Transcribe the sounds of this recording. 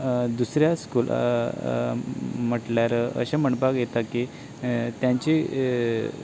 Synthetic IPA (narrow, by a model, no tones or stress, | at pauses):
d̪usɾjaskuːl | m̤əʈljaɾə̰ɕãm̤əɳpakjet̪aki | t̪jãɲt͡ɕi